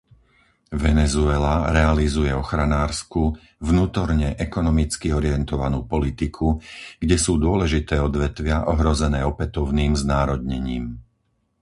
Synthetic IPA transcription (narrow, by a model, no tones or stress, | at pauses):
ʋɛnɛzuɛlaɾɛalizujɛɔxɾanaːɾsku | vnuːt̪ɔɾɲɛʔɛkɔnɔmit͡skiɔɾɪɛnt̪ɔʋanuːpɔlit̪ikʰuɡ̥ɟɛsuːd̪ʊɔlɛʒit̪ɛːɔd̪ʋɛt̪ʋɪaʔɔɦɾɔzɛnɛːɔpɛt̪ɔʊniːmznaːɾɔd̪ɲɛɲiːm